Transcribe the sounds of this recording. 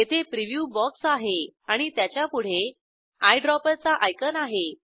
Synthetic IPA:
jet̪ʰepɾiʋjuːbɔksaɦeaɽ̃it̪jat͡ɕjapuɽ̤e | ajɖɾɔpəɾt͡saʔajkənaɦe

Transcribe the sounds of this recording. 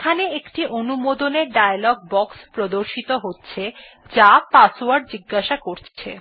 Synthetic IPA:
kʰaneekʈiʔonumod̪oneɾɖajalɔɡ̚bɔkspɾod̪oɾʃit̪oɦotːɕʰe | d͡ʑapasoaɾɖ̚d͡ʑiɡːaʃakoɾt͡ɕʰḛ

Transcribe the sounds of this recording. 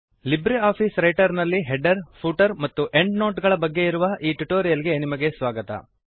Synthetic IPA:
libɾeaːpʰiːsɾɐjʈɐɾnɐlːiɦeɖɐɾpʰuːʈɐɾmɐt̪ːuʔe̞ɳɖno̞ːʈɡɐɭɐbɐɡːe̞iɾuʋɐʔiːʈuʈoːɾijɐliɡe̞nimɐɡe̞sʋaːɡɐt̪ɐ̰

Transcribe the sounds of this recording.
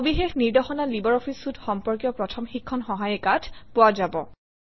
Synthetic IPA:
bixexniɹdɔxɔnalibɔɹɔpʰisutxɔmpɔɹkjɔpɹɔtʰɔmxikʰːɔnxɔɦajɛkatʰpʊazabɔ̰

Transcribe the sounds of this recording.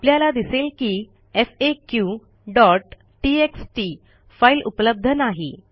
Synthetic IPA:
apljalad̪iselkiː | efekju | ɖɔʈː | ieksʈi | failʔupləb̚d̪ʱənaɦḛ

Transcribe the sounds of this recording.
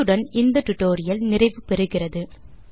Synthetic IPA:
ɯɽɐnɪnd̪ɐʈʊʈːoːɾɪjɐlnɪrɐɪʋɯpɛɾɯɣɪrɐðɯ

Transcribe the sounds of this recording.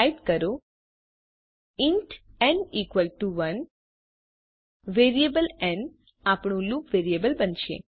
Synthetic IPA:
iʈkəɾo | iɳʈɛɳikʋəlʈuʋən | ʋeɾiebəlɛ̃ɳ | apɳũlukʋeɾiebəlbənʃḛ

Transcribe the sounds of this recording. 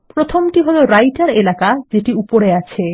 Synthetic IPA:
pɾot̪ʰomʈiɦɔjloɾajʈaɾelakad͡ʑeʈiupoɾeat͡ɕʰe

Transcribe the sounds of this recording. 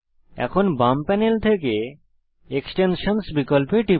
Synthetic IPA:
ɛ̰kʰonbampɛnelt̪ʰeke | eksʈenʃonsbikolpeʈi

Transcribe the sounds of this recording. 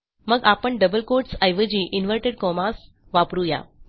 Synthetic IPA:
məɡapəɳɖəbəlkoɾʈsajʋəd͡ʑiʔinʋəɾʈeɽkɔmas | ʋapɾuja̰

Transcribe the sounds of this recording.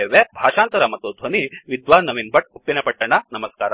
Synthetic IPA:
eːʋebʱaːʃaːnt̪ɐɾɐmɐt̪ːud̪ʱʋɐniʋid̪ʋaːnːɐʋinbʱɐʈ̚upːinɐpɐʈːɐɳɐnɐmɐskaːɾa

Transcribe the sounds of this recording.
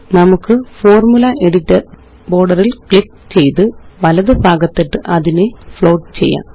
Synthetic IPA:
nɐmukːɨfo̞ːrmulɐʔe̞ɽitːɐr | bo̞ːrɖɐrilkɭikː | t͡ɕe̞jt̪ɨʋɐlɐðɨbʱaːɡɐt̪ːeʈːɨʔɐðinɨfɭo̞ːʈt͡ɕe̞̰jːa̰ː

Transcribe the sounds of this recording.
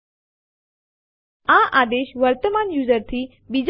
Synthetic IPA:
ãʔaːd̪eːʃʋəɾt̪əmaːnjuːzəɾt̪ʰiː | bid͡ʑ

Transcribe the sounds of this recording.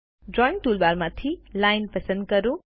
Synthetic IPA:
ɖɾɔj̃ŋ̚ʈuːlbaɾmat̪ʰilajnpəsə̃nd̪̚kəɾũ

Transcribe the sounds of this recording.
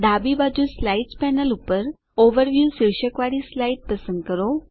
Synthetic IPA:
d̪abibad͡ʒuslaiʈspɛnəlupəɾ | oʋəɾʋjusiɭʃəkʋaɽislaiʈ̚pəsə̃nd̪̚kəɾo

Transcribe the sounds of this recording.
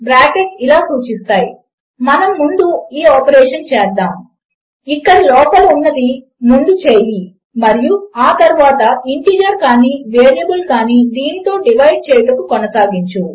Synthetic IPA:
bɾaːkekilaːsuːt͡ʃist̪aːji | mɐnɐmːund̪uiːɔːpɐɾɛːʂɐnt͡ʃɛːd̪ːaːm | ikːɐɾilɔːpɐlɐunːɐd̪i | mund̪ut͡ʃeːjli | mɐɾijuaːt̪ɐɾuʋaːt̪ɐiɳʈiːd͡ʒɐɾkaːniːʋeːɾijɐbulkaːniːd̪iːnit̪o̞ːɖiʋɐjɖ̚t͡ʃɛːjɐʈɐkukɔnɐsaːɡiɲt͡ʃu

